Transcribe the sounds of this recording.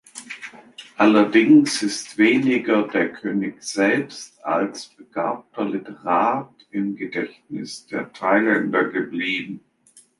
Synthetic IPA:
ʔalɐdɪŋsɪstv̥eːnɪɡɐdeːɐkʰøːnɪçz̥ɛlpsta̰lsb̥əɡ̥a̰ːp̚tʰɐlɪtəʁaːt | ɪmɡədɛçtnɪsd̥eːɐtʰaɪlɛndɐɡəbliːbm̩

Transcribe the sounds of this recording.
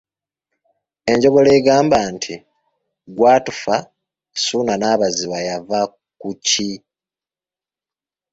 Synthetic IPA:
e̞ɲɟo̞ɡo̞leɡaːmbantʰi | ɡwaːtufa | sunanaːβaziβajava | kuci

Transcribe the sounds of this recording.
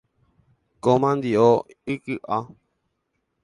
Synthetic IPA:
komãnd̪io | ikɨʔa

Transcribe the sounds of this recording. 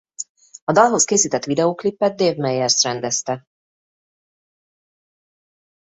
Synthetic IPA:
ɒd̪ɒlɦo̞skeːsiːt̪ɛt̪ʋid̪ɛoːklipːɛt̪̚d̪eːvmɛjɛrsrɛnd̪ɛst̪ɛ

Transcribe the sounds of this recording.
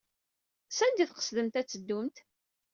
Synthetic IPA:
sænd̪iθqə̥sðəmt̪æt͡sːəd̪ːʊmt̪

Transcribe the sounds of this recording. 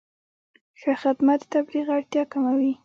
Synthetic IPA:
xəxɪd̪mat̪ət̪abɾiɣaɽt̪jɑkamawi

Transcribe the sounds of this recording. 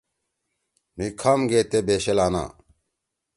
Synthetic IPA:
mikʰɐmɡeːt̪ebeːɕelaːna̰ː

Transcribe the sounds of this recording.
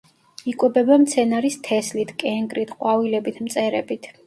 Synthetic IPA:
ikʼwɛbɛbamt̪sʰɛnaɾist̪ʰɛslit̪ʰkʼɛŋɡɾit̪ʰqʼwavilɛbit̪ʰmt̪sʼɛɾɛbit̪ʰ

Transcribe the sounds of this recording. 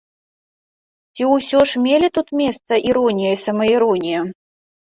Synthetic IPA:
t͡sʲiwsʲɔʂmʲelʲit̪ut̪mʲest̪sɐʔiɾɔnʲijɐisɐmɐiɾɔnʲijɐ

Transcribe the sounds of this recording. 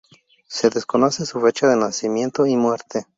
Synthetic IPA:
se̞ðe̞sko̞no̞sesufe̞t͡ʃaðenasimjẽ̞nt̪oimwe̞ɾt̪e̞

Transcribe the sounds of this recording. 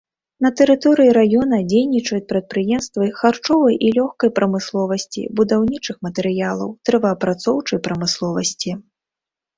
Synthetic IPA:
nɐt̪ɛɾɨt̪ɔɾɨjiɾajɔnɐd͡zʲejnʲit͡ʂɐjut͡sʲpɾɐt̪̚pɾɨjɛmst̪vɨxart͡ʂɔvɐjʔilʲɔxkɐjpɾɐmɨslˠɔvɐsʲt͡sʲḭbud̪awnʲit͡ʂɨxmɐt̪ɛɾɨjalˠɐ̰wt̪ɾɛvɐːpɾat̪sɔwt͡ʂɐjpɾɐmɨslˠɔvɐsʲt͡sʲi

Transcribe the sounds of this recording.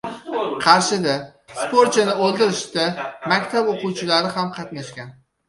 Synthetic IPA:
qʰɑɾʃɪd̪aspoɾt̪t͡ʃʰɪnɪolˠd̪ɪɾɪʃt̪amakʲt̪ʰaboqʊwt͡ʃʰɪlaɾɪɦamqʰɑt̪naʃkʲan

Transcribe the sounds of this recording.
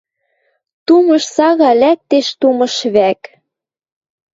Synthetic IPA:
t̪umɤ̆ʃsɑɣɑlæk̚t̪eʃt̪umɤ̆ʃβæk

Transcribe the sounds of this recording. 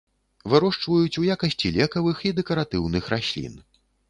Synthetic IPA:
vɨɾɔʂt͡ʂvɐjut͡sʲujakɐsʲt͡sʲilʲɛkɐvɨxid̪ɛkɐɾat̪ɨwnɨxɾasʲlʲḭn

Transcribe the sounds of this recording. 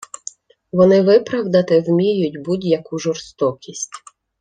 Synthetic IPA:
ʋɔnɪʋɪpɾɐwd̪ɐt̪ɪwmʲijʊtʲbudʲjɐkuʒɔrst̪ɔkʲisʲtʲ

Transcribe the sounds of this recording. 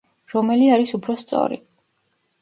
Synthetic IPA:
ɾɔmɛliaɾisupʰɾɔst̪sʼɔ̰ɾḭ

